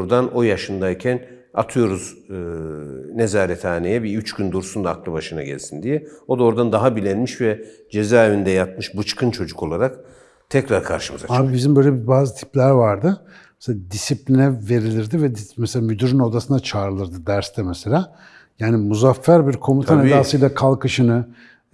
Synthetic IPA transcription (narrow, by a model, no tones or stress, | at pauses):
ɾd̪ano̞jaʃɯnd̪aicʰæn | a̰t̪ʰɯjo̞ɾuz | nezaːɾɛt̪ʰaːnejɛbiyt͡ʃɟynd̪uɾsund̪aːklˠɯbaʃɯna̰ɟɛ̰lʲsind̪ijɛo̞d̪aoɾd̪and̪aɦabilʲɛnmiʃvɛ | d͡ʒe̞zaːevind̪ɛjat̪̚mɯʃbɯt͡ʃkʰɯnt͡ʃʰo̞d͡ʒuko̞lˠaɾak | t̪ʰɛcɾaɾkʰa̰ɾʃɯmɯzaaːbibizimbø̞jlʲɛbibaːzɯt̪ʰi̥plʲæɾvaɾd̪ɯ | mɛseaːd̪isiplʲinɛve̞ɾilʲiɾd̪ivɛd̪imɛselʲaːmyd̪yɾyno̞d̪asɯnat͡ʃʰaːɾɯlˠɯɾd̪ɯd̪æɾst̪ʰɛmɛselʲaː | jaːnimuzafːæɾbiɾkʰo̞mut̪ʰaned̪aːsɯjlˠakʰalˠkɯʃɯnɯ